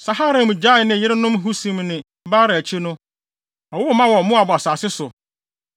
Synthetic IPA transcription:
sa˨ɦa˦ɾɪ̃˨m˨d͡ʑa˦˨nɪ̃˨jɪ˦ɾɪ˦nʊ̃˦mɦu˦sĩ˨mnɪ̃˨ | baː˦ɾɪ˨æ˨t͡ɕʰi˦nʊ̃˦ | ɔ˨wʊ˦mã˦wɔ˨mʊ̃˦a˨bʊ˨a˨saː˨sɪ˦sʊ˨

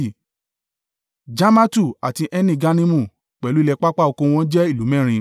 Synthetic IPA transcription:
d͡ʒa˦ma˦tu˦˨a˨ti˧ʔɛ˦nĩ˦˨ɡa˦nĩ˦mũ˦˨ | k͡pɛ˨lu˦i˦˧lɛ˧k͡pa˦k͡pa˦˨o˧kõ˧w̃ɔ̃˦d͡ʒɛ˦i˦˨lu˨˦mɛ̃˦˨ɾ̃ĩ˧

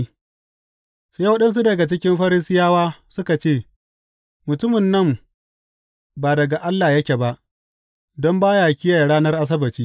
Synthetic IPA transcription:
saː˦wɐ˦ɗɐ˦ns̬u˦dɐ˨ɡa˨t͡ʃɪ˦kʲɪ˦mɸɐ˦ɾɪ˦sɪ˦jaː˦waː˦sʊ˦ka˨t͡ʃeː˦˨ | mʊ˨tʊ˦mɪ˨nːɐ˦˨m | baː˨dɐ˨ɡa˨ʔa˦lːaː˨jɐ˦kʲe˨ba˦ʔ | dɔ˦mbaː˦ja˨kʲɪ˦jaː˨ja˨ɽaː˦nɐ˦rʔa˦s̬ɐ˦bɐ˨t͡ʃiː˦

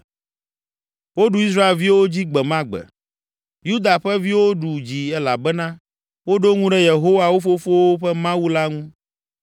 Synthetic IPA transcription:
wo˦ɖu˨i˦s̬ɾa˦e˨lvi˦wo˦d͡ʑi˦ɡ͡bɛ˨mã˦ɡ͡bɛ̰˨ | ju˦d̪a˨ɸɛ˦vi˦wo˦ɖu˨d͡ʑi˨ɛ˦la˨bɛ˦nã˦ | wo˦ɖo˦ŋũ˦ɖɛ˦je˨ɦo˦wa˨wo˦fo˦fo˦wo˦ɸɛ˦mã˦wu˦la˦ŋũ˦

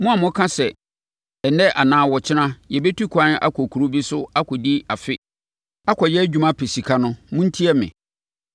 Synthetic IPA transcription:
mʊ̃˦a˨mʊ̃˦kʰã˦sɛ˨ | ɛ˨nɛ˦ʔa˨nãː˨˦wɔ˨t͡ɕʰɪ˦nã˦jɛ˨be˦tʰu˦kʰʷã˦n˦a̰˦kʰɔ˨kʰu˨ɾu˦bi˦sʊ˦a˦kʰɔ˨di˦a˨fɪ˦ | a˦kʰɔ˨jɛ˦æ˦d͡ʑᶣu˦mã˦pʰe˨si˨kʰa˦nʊ̃˦mʊ̃˦n̩˦tʰi˦ɛ˦mɪ̰̃˨

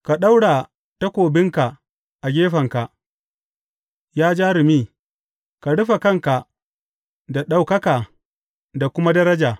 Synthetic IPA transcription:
ka˨ɗa˦wɽa˨ | ta˦kʷoː˨bɪ˦ŋka˨ | ʔa˨ɡʲeː˦ɸɐ˨ŋka˨ʔ | jaː˦d͡ʒaː˦ɾɪ˨miː˦ | ka˨ɽʊ˦ɸa˨kɐ˦ŋka˨ | da˨ɗa˨wkɐ˦ka˨ | da˨kʷʊ˦ma˦dɐ˦ɾɐ˦d͡ʒaː˨

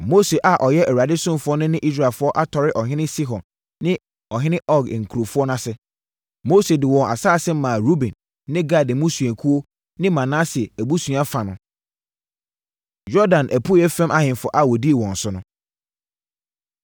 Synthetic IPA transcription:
mo˦se˨ʔa˨ʔɔ˨jɛ˦ʔɛ˨wa˨dɪ˦sʊ̃˦m˨fʊ˦ɔ˦nʊ̃˦nɪ̃˦ʔi˦s̬ɾa˨fʊ˦ɔ˦ʔa˦tʰɔ˨ɾɪ˦ʔɔ˨ɦɪ̃˦nɪ̃˦si˦ɦɔ̃˨n | nɪ̃˦ | ɔ˨ɦɪ̃˦nɪ̃˦ʔɔ˦ɡŋ̩˨kʰu˨ɾo˨fʊ˦ɔ˦nã˦sɪ˦ | mo˦se˨dɪ˨wɔ̃˨a̰˨saː˦˨sɛ˦m̩˦mã˨ɾu˦bɛ̃˨nː | ɪ̃˦ɡa˦˨dɪ˨mũ˦sũ˨æ̃˨kʰu˦o˦ | nɪ̃˦mã˨nãː˦sɛ˨æ˨bu˦sũ˨a˦fa˨nʊ̃˦ | jɔ˦dã˨nʔæ˨pʰu˦ɛ˦fɛ̃˦ma˦hɪ̃˨n˨fɔ˨ʔa˦˨wɔ˨di˦e˨wɔ̃˨n̩˨sʊ˦nʊ̃˦

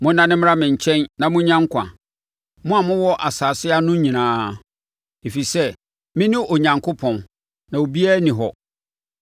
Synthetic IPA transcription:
mʊ̃˦nːã˦nɪ̃˦m˦ɾa˦mɪ̃˨ɲ˨t͡ɕʰɛ̃˦nnã˨mʊ̃˦ɲã˦ŋkʷʰã̰˨ | mʊ̃˦a˨mʊ̃˦wɔ˦ʔa˨saː˨sɪ˦a˦nʊ̃˦ɲĩ˨nãː˦ | e˨fi˨sɛ˦ | mɪ̃˦nɪ̃˦ʔo˨ɲã˨ŋkʰo˦pʰɔ̃˨n | nã˨o˨bi˦æ˦nĩ˨ɦɔ˨

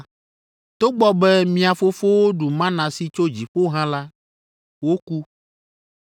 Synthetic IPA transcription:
t̪o˦ɡ͡bɔ˦bɛ˦mĩ˦a˨fo˦fo˦wo˦ɖu˨mã˦nã˨si˨t͡ʃo˦d͡ʑi˨ɸo˦ɦã˦la˦ | wo˦ku˦

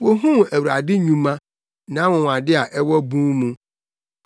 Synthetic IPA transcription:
wo˦ɦũ˦mæ˨wu˨ɾa̰˨dɪ˦ɲũ˦mã˦ | nã˨˦wʊ̃˨wa˨dɪ˦a˨ʔɛ˦wɔ˦bũ˦mũ˦

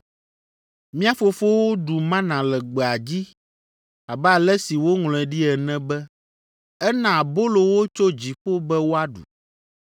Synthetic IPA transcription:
mĩ˦a˦fo˨fo˦wo˦ɖu˨mã˦nã˨lɛ˨ɡ͡bɛ˨a˨d͡ʑi˦ | a˨bɛ˦a˨lɛ˦si˨wo˦ŋlɔ̃˨ɛ˨ɖi˦ɛ˨nɛ̃˦bɛ˦ | ɛ˦nã˨bo˦lo˨wo˦t͡ʃo˦d͡ʑi˨ɸo˦bɛ˦wo˦a˦ɖṵ˨

